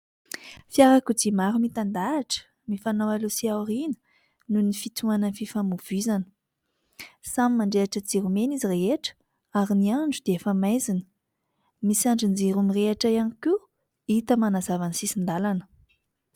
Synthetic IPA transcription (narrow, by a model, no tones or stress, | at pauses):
fiaɾakud͡zimaɾumit̪and̪aːʈ͡ʂə̥ | mifanawalusiawrinə̥ | nunifit͡s̪uanənififamuv̥izanə̥ | samimaɳɖ͡ʐeaʈ͡ʂəd͡ziɾumenizireɦeʈ͡ʂə̥ | aɾiniaɳɖ͡ʐud̪eefəmajzinə̥ | misiaɳɖ͡ʐind͡ziɾumireaʈ͡ʂajaniku | it̪əmanazavanisisind̪alanə̥